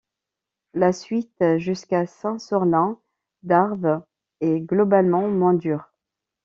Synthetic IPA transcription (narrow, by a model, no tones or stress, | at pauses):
lasɥit̪ʒyskasɛ̃sɔʁlɛ̃ | d̪aʁv | ɛɡlɔbalmɑ̃mwɛ̃d̪yːʁ